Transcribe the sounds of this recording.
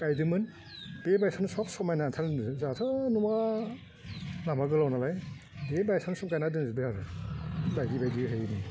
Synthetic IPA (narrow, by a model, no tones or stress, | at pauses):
kajdɯmɯn | b̥ebajsansɔk̚sɔmajnantʰaɾɯnɯɯzatʰɯnuma | namaɡɯlawnalaj | bebajsansɔp̚kajnadɯnzɯbɯhaɾɯbajɡibajdiɦɯjnɯ